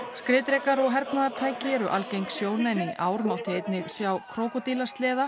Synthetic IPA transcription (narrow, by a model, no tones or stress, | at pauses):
skɾɪːt̪ɾekaɾɔɣɦɛɾt̪naðaɾ̥t̪ʰaːjcɪɛɾʏʔalcejŋksjoːwnɛnːiʔaːwɾmawht̪ɪejt̪nɪɣsjawkʰɾoːwkɔt̪iːlast̪lɛːða